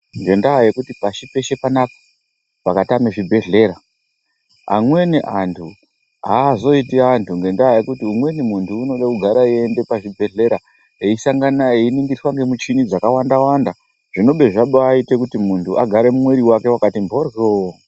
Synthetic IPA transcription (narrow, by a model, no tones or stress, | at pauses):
ŋɡe̞ndaje̞kutipaʃipe̞ʃe̞panako̥ | pakatameʐibʱe̞ɮe̞ɾa | a̰mwe̞niʔantʰu | aːzo̞itiantuŋɡe̞ndaɦaje̞kutiumwe̞nimuntʰuːno̞ɗakuɡʱaɾaie̞nde̞paʐibʱe̞ɮe̞ɾa | eisaŋɡanaeiniŋɡiswaŋɡe̞mut͡ʃinid͡zakawandawanda | ʐ̥ino̞ɓe̞ʐaɓoaite̞kutimuntʰuaɡʱaɾe̞mumwe̞ɾiwake̞wakatimbʱorjo